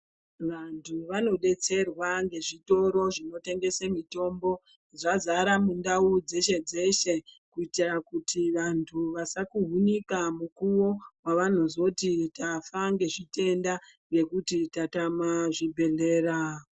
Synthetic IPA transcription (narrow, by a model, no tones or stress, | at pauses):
ʋantʰuʋano̞ɗe̞t͡se̞rwaŋɡe̞ʐito̞ɾo̞ʐino̞te̞ŋɡe̞semito̞mbo̞ | ʐazaɾamundaud͡ze̞ʃe̞d͡ze̞ʃe̞ | kuitirakutʰiʋantʰuʋasakuɦunikamukuwo̞waʋan̤ozo̞titafaŋɡe̞ʐite̞nda | je̞kutitatamaʐibʱe̞ɮe̞ːra